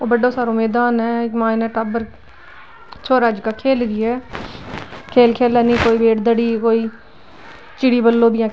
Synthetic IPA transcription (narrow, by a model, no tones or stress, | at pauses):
oːbəɖːõːsaːɾoːmeːd̪aːnɛːmãːinɛ̃ːʈabəɾ | t͡ʃʰoːɾaːd͡ʒkaːkʰeːlɾiːɛː | kʰeːlkʰeːlɛːnĩːkoːiːbeːʈd̪əɽiːkoːiː | t͡ʃɪɽiːbəlːoːbɪjãː